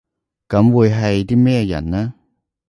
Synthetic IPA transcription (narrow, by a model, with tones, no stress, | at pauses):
kɐ˨˥mwuː˨˧jɦɐ˨jt̪iː˥mɛː˥˧jɐ̰˨˩nnaː˥